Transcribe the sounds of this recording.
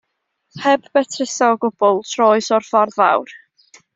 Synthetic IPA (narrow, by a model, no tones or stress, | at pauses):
hɛbbɛtʰrɪsɔɔɡʊb̥ɔlˠtʰrɔːɨsɔrfarða̰wr